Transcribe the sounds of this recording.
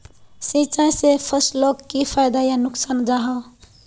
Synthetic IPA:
sĩt͡ʃaj̃sepʰəsloɡkipʰaɪd̪ajanʊksaːnd͡ʒaɦa

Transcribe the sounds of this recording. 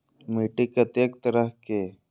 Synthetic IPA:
miːʈikɐt̪eːk̚t̪əɾəɦke

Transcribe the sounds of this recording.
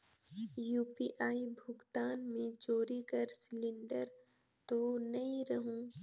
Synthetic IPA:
juːpiʔaːibʱʊɡt̪aːnmẽt͡ʃoːɾikəɾsɪlɪ̃ɳɖəɾ | t̪onɐɦĩɾɐɦũː

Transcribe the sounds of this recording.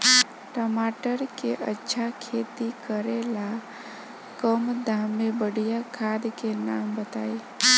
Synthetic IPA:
ʈəmaːʈəɾkeʔətːʃʰakʰeːt̪ikəɾela | kəmd̪ʱaːmːebəɽ̤ijakʰad̪kenaːmbət̪aːi

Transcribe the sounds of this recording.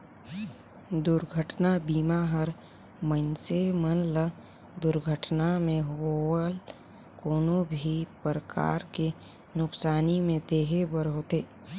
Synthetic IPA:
d̪ʊɾɡʱəʈnabiːmaɦəɾ | mənsemənlə | d̪ʊɾɡʱəʈnamẽɦoːl | koːnõbʱipɾəka̰ːɾke | nʊksaːnimẽd̪eːɦebəɾɦoːt̪eː

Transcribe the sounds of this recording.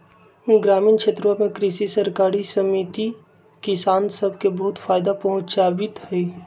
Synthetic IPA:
ɡɾaːmiːnkʃeːt̪ɾmamẽkɾɪʃisəɾkaːɾisəmit̪i | kɪsaːnsəbʱkebəɦʊt̪faːɪd̪apɐɦʊ̃t͡ʃaːbɪt̪hɛ

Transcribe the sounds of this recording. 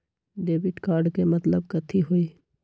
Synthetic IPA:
ɖeːbɪʈkaːɾɖkemɐt̪ləb̚kɐt̪ʰiɦoiː

